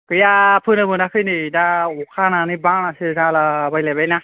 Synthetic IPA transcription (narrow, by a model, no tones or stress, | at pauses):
kɯjapʰɯnɯbɯnakʰɯjnɯidaukʰananɯbaŋnasɯzalabajlajbajna